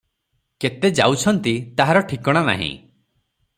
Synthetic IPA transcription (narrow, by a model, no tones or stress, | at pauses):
ket̪ed͡ʒa̰wt͡ʃʰɔnt̪it̪aɦaɾɔʈʰikɔɽ̃ana̰ɦḭ̃